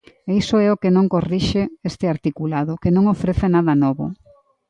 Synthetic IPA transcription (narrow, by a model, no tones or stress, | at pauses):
eisoɛokenõŋkoriʃeest̪ɪaɾt̪ikulaðokenõŋofɾeθenaðɐnɔβʊ̰